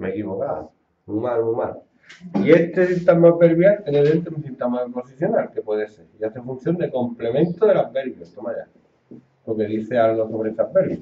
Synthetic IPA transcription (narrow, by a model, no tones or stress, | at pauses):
mekiβo̞kaβa̰ | uŋmaluŋma̰l | ie̞st̪e̞sint̪amapeɾβjalt̪jeneðent̪eunθint̪amaðepo̞siθjo̞nalkepwe̞ðese̞ɾiaθefũn̟θjo̞nd̪e̞ko̞mple̞mẽnt̪oðe̞lapeɾβjost̪omaja̰ | poke̞ðiθe̞alɣoso̞β̞ɾeest̪apeɾβja